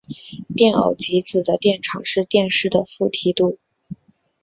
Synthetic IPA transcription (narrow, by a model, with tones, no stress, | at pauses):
t̪jɛ˥˩nɑ̰˨˩ʊt͡ɕi˧˥t͡sɹ̩˨˩d̪ə˦t̪jɛ˥˩nʈ͡ʂʰɑ̰˨˩ŋʂɻ̩˥˧t̪jɛ˥˧nʂɻ̩˥˩d̪ə˩fu˥˩t̪ʰi˧˥t̪u˥˩